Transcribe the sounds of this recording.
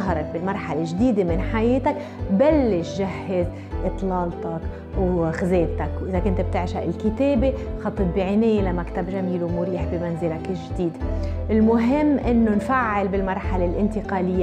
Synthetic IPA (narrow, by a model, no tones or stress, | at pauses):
ɦɑɾˤɑk̚bɪlmɑɾˤħalɪʒd̪iːd̪emɪnħajeːt̪ak | balːɪʃʒahːɪz | ʔɨt̪ˤlɑːlt̪ɑk | wxɪzeːbt̪akwʔɪzakʊnt̪b̚t̪ɪʕʃaʔɪlkɪt̪eːbexɑt̪ˤːɨt̪̚biʕɪneːjelamakt̪abʒamiːluwmʊɾiːħbɪmanzɪlakʒd̪iːd̪ʔɪlmʊɦɪmːʔɪnːonfaʕːɪlbɪlmɑɾˤħalelʔɪnt̪ɪqɑːlɪjːa